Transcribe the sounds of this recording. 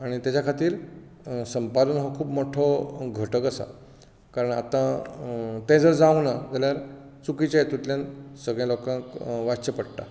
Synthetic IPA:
aɽ̃it̪jat͡ɕjakʰat̪iːɾ | səmpad̪ənɦɔkʰuːpmɔʈʰɔɡʱəʈəkəsa̰ | kaɾəɳa̰t̪ã | t̪ɛ̃d͡zəɾd͡zaunad͡zaljaɾ | t͡sukit͡ɕjajet̪ut̪ljansəɡɭjɛ̃lɔkãŋkʋat͡ɕəpəɽʈ̪a̰

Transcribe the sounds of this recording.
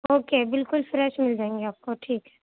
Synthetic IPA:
oːkebɪlkʊlfɾɛʃmɪld͡ʒaːẽŋɡeaːp̚koʈʰiːkɦɛ̥ː

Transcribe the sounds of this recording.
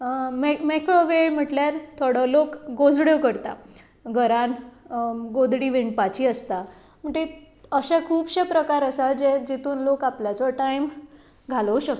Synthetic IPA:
memekɾoʋeɭm̤əʈljaɾt̪ʰoɽəlokɡod͡zɽjekəɾt̪a̰ | ɡʱəɾãn | ɡod̪ʱɽiːʋeɳʈ̚pat͡ɕiːəst̪a | m̤əɳʈe | əɕakʰuːbɕepɾəkaɾəsad͡ʑed͡ʑit̪uːnlokapljat͡sɔʈajm | ɡʱaləwɕək̚t̪o

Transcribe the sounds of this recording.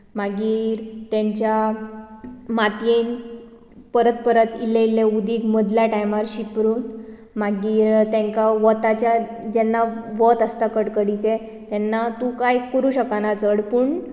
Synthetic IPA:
maɡiːɾt̪eɲt͡ɕja | mat̪jen | pəɾət̪̚pəɾət̪ileilːeud̪ʱiːɡməd̪ljaʈajmaɾɕipɾuːn | maɡiːɾt̪ɛ̃ŋkaʋət̪at͡ɕja | d͡ʑɛnːaʋət̪əst̪akəɽkəɽit͡se | t̪ɛnːat̪ũkajkəɾuːɕəkanat͡səɽpuɳ

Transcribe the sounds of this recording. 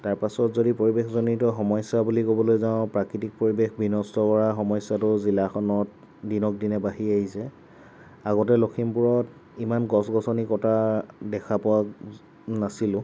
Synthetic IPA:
taɹpasɔtzodipoɹibexzonitɔxɔmɔjsabulikobɔlojzaʊ̃pɹakɹitik̚poɹibexbinɔstɔkɔɹaxɔmɔjsatʊzilaxɔnɔt | dinɔk̚dinɛbaɦiaɦisɛ | aɡɔt̬ɛlokʰimpuɹɔt | imanɡɔsɡɔsɔnikɔtadɛkʰapɔa | nasilʊ̃

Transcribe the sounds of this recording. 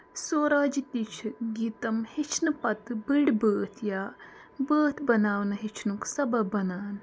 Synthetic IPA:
soːɾaːd͡ʒit̪it͡ʃʰɡiːt̪ɐmhit͡ʃʰnɨpɐt̪biɽbəːt̪ʰjaː | bəːt̪ʰbɐnaːwnɨɦit͡ʃʰnuksɐbɐbɐnaːn

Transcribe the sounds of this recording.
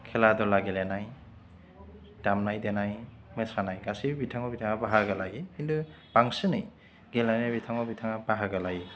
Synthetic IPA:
kʰeladɔlaɡelenaj | tamnajdenaj | mesanajɡasibbitʰaŋɔbitʰaŋabaɦaɡalajiindu | b̥aŋsɯnɯj | ɡelajnabitʰaŋɔbitʰaŋabaɦaɡalaji

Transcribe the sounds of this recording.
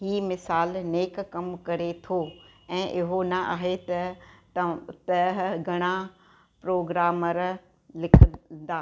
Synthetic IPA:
ɦiːmɪsaːlneːkːɐmkɐɾet̪ʰoɛ̃ːʔɪɦonɐʔa̰ːɦet̪ɐ | t̪ɐɦɡʱɐɽ̃a | pɾoːɡɾaːməɾ | lɪkʰəd̪aː

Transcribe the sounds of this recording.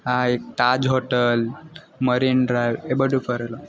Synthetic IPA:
aek̚ʈad͡ʑɦoʈəl | məɾinɖɾajʋebəʈufəɾlo

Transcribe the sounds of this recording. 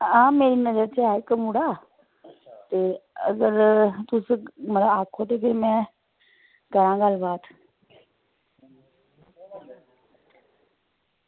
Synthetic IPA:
ãːmeːɾinəzəɾt͡ʃeaːekəmuɽaː | t̪eːə̰ɡəɾt̪ʊsmət̪ləbaːkʰot̪ekɪɾimɛ̃ | kəɾãːɡaːlbaːt̪

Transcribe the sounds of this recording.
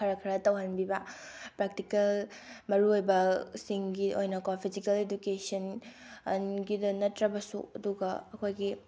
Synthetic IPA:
kʰɐɾɐkʰɐɾɐtɐwɦɐnbibɐpɾak̚tikɐlmɐɾuojbɐsiŋɡiojnɐkopʰizikɐledukesɐn | ɐnɡidɐnɐtɾɐbɐsṵɐ̰duɡɐɐkʰojɡi

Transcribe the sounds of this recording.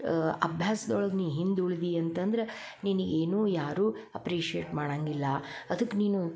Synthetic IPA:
ɐbʱjaːsɐd̪ɔɭɐɡniːʋɦind̪uɭid̪iɐnt̪ɐnd̪ɐɾe | niniɡe̞ːnuːjaːɾuː | ɐpɾiːʂieːʈmaːɽaːŋɡilːɐɐd̪ɐkːniːnu

